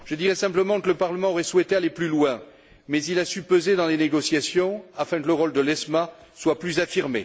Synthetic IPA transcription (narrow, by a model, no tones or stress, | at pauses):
ʒ̥əd̪iʁɛsɛ̃pləmɑ̃kələpaʁləmɑ̃ɔʁɛswɛt̪ealeplylwɛ̃ | mɛzilasypøzed̪ɑ̃leneɡɔsjasjɔ̃afɛ̃kələʁɔld̪əlɛsmaswaplyzafiʁmḛ